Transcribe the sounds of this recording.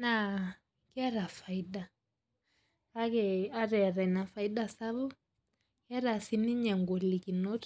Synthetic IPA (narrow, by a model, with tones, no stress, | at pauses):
na˦˨ | kɛ˦ɾa˨fa˨i˦ɗa˨ | a˦kɛ˨a˦ɾɛ˨ɾa˨i˨na˨fa˨i˦ɗa˨sa˦βu˦ | kɛ˦ɾa˨si˨ni˦ɲɛ˨ŋɡɔ˨li˨ki˨nɔ˦t